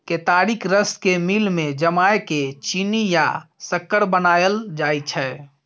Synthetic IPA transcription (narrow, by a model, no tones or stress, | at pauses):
ket̪aːɾikʰɾəskemilmẽd͡ʒəmaeket͡ʃinijasəkːəɾbənaːjəld͡ʒaːjt͡ʃʰɛː